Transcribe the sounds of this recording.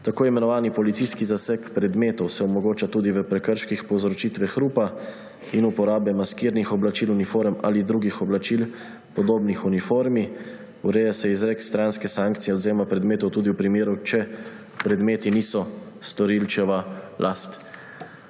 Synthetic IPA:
t̪akoːimɛnɔʋaːnipɔlit̪siskizasɛkpɾɛd̪meːt̪ɔwsɛɔmɔɡoːt͡ʃat̪uːd̪iʋəpɾɛkəɾʃkixpɔwzɾɔt͡ʃiːt̪ʋɛxɾuːpa | inupɔɾaːbɛmaskiːɾnixɔblat͡ʃiːlunifoːɾma̰lid̪ɾuːɡixɔblat͡ʃil | pɔd̪oːbnixunifoːɾmi | uɾeːjasɛizɾekst̪ɾanskɛsaŋkt̪sijɛɔd̪ziːɾɔmapɾɛd̪meːt̪ɔwt̪uːd̪iwpɾimeːɾut͡ʃɛ | pɾɛd̪meːt̪iniːsɔ | st̪ɔɾilt͡ʃɛʋalʔast̪

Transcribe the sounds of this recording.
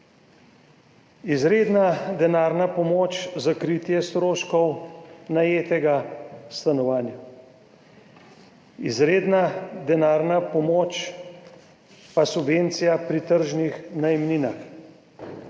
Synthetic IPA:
izɾeːd̪nad̪ɛnaːɾnapɔmoːt͡ʃzakɾiːt̪jɛst̪ɾoːʃkɔwnajeːt̪ɛɡast̪anɔʋaːnja | izɾeːd̪nad̪ɛnaːɾnapɔmoːt͡ʃ | pasubveːnt̪sijapɾit̪əɾʒnixnaimniːnax

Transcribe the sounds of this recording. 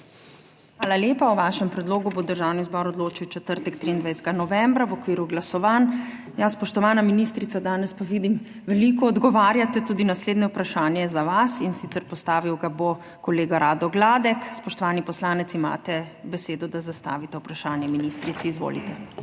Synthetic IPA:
xʋaːlaljeːpauʋaʃɛmpɾɛd̪loːɡubod̪əɾʒawnizbɔɾɔd̪loːt͡ʃiwt͡ʃɛt̪əɾt̪ɛkt̪ɾiːnd̪ʋajsɛɡanɔʋɛmbɾawɔkʋiːɾuɡlasɔʋaːn | jaspɔʃt̪ɔʋaːnaminist̪ɾit̪sad̪aːnɛspaʋid̪im | ʋɛlikɔːd̪ɡɔʋaːɾjat̪ɛt̪uːd̪inasleːd̪nɛwpɾaʃaːnjɛzaʋasinsit̪sɛɾpɔst̪aːʋiwɡabo | kɔleːɡaɾaːd̪ɔɡlaːd̪ɛkspɔʃt̪ɔʋaːnipɔslaːnɛt̪sima̰ːt̪ɛbɛseːd̪ɔd̪azast̪a̰ːʋit̪ɛupɾaʃaːnjɛminist̪ɾit̪siːzʋo̰lḭt̪ɛ

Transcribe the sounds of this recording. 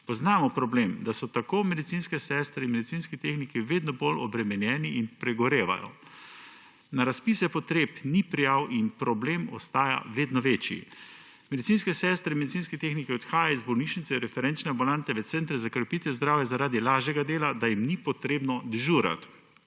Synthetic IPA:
pɔznaːmɔpɾɔbleːmd̪asɔt̪akoːmɛd̪it̪sinskɛsɛst̪ɾɛinmɛd̪it̪sinskit̪eːxnikiʋeːd̪nɔbolɔbɾɛmɛnjɛːniinpɾɛɡɔɾeːʋa̰jɔ̰ | naɾaspiːsɛpɔt̪ɾeːpnipɾijawʔinpɾɔbleːmɔ̰st̪aːja̰ʋeːd̪nɔʋeːt͡ʃjḭ | mɛd̪it̪inskɛsɛst̪ɾɛinmed̪it̪siːnskɛt̪eːxnikiɔt̪xaːjaizbɔwniʃnit̪sɛɾɛfɛɾɛnt͡ʃnɛambulant̪ɛʋɛt̪sɛnt̪ɾɛzakɾɛpiːt̪ɛwzd̪ɾaːwjɛzaɾaːd̪ilaːʒjɛɡad̪eːlad̪ajimnipɔt̪ɾeːbnɔd̪ɛʒuːɾa̰t̪

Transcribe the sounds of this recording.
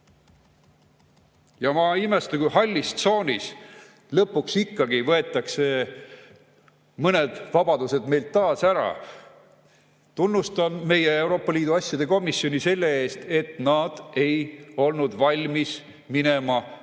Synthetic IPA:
jɑmɑime̞st̪uɡuhɑlʲːist̪so̞ːnʲis | lɤpːˑuksikːɑɡivɤe̞t̪ːˑɑkse̞ | mɤne̞d̪̥vɑbɑd̪use̞d̪̥me̞jlt̪ːɑːsæɾɑ̰ | t̪unːust̪ɑnme̞jeewɾo̞ːpːˑɑlʲiːd̪uɑsʲjɑd̪̥e̞ko̞misːio̞nise̞lːe̞e̞ːst̪e̞t̪nɑd̪̥e̞jo̞lnud̪̥vɑlʲmis | minemɑ

